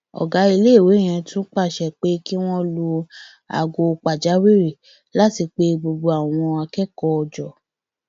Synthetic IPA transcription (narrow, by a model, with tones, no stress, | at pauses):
ɔ̰˨ɡa˨˦i˧le˦˨we˨˦˨j̃ã˧tʰũ˦k͡pa˦˨ʃɛ˨k͡pe˦ki˦w̃ɔ̃˦lu˧ | a̰˨ɡo˧k͡pa˨d͡ʒa˨˦wi˦ɾe˨ | la˦ti˧k͡pe˦ɡ͡bo˧ɡ͡bo˧a˨w̃ɔ̃˧a˧kɛ˦kɔ˦ɔ˧d͡ʒɔ˨